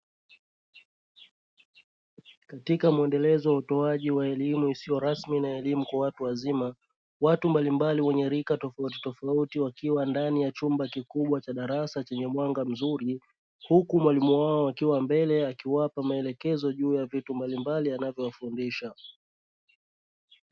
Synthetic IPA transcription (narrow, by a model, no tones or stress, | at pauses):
katikamuɛndɛlɛzɔwautɔaʄiwaɛlimuisijɔɾasminaɛlimukwawatuwazima | watumbalimbaliwɛɲɛɾikatɔfauti̥tɔfautiwakiwandanijat͡ʃumbakikuɓwat͡ʃaɗaɾasat͡ʃɛɲɛmwaŋɡam̩zuɾi | hukumwalimuwaɔakiwambɛlɛakiwapamaɛlɛkɛzɔʄuːjavitumbalimbalianavjɔwafundiʃa